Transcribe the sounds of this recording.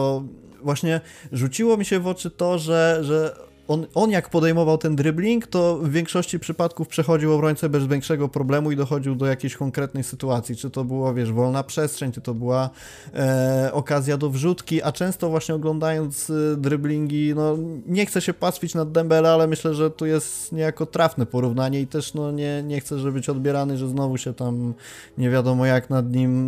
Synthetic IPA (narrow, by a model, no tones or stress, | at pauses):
ɔ | vwaɕɲɛ | ʐut͡ɕiwɔmʲiɕɛvɔt͡ʂɘt̪ɔʐɛʐɛ | ɔnɔnjakpɔd̪ɛjmɔvawt̪ɛnd̪ɾɘblʲiŋkt̪ɔvːʲjɛŋkʂɔɕt͡ɕipʂɘpat̪kufpʂɛxɔd͡ʑiwɔbɾɔɲʲtsɛbɛzvʲjɛŋkʂɛɡɔpɾɔblɛmuid̪ɔxɔd͡ʑiwd̪ɔjakʲejɕkɔŋkɾɛt̪̚nɛjsɘt̪uat̪sʲjit͡ʂɘt̪ɔbɘwavʲjɛʂvɔlnapʂɛstʂɛɲʲt͡ʂɨt̪ɔbɘwa | ɔkazʲjad̪ɔvʐut̪kʲiʔat͡ʂɛ̃w̃st̪ɔvwaɕɲɛɔɡlɔnd̪ajɔnt̪zd̪ɾɘblʲiŋɡʲinɔɲɛxt̪sɛɕɛpasfʲit͡ɕnad̪ːɛmbɛlɛalɛmɘɕlɛʐɛt̪ujɛst̪ɲɛjakɔt̪ɾafnɛpɔɾuvnaɲɛit̪ɛʂnɔɲɛɲɛxt̪sɛʐɛbɘt͡ɕɔd̪bʲjɛɾanɘʐɛznɔvuɕɛt̪am | ɲɛvʲjad̪ɔmɔjaknad̪ɲim